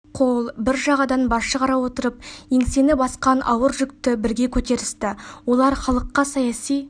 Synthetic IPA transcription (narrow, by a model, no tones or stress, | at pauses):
qʰolˠbɪɾʒɑʁɑd̪ɑnbɑʃəqʰɑɾɑwo̞t̪əɾəp̚jeŋse̞nɪbɑsqɑnʔɑ̰wəɾʒʏkt̪ɪbɪɾɡʲe̞kʲʰɵt̪e̞ɾɪst̪ɪwo̞lˠɑɾχɑlˠəqːɑsɑjɑsij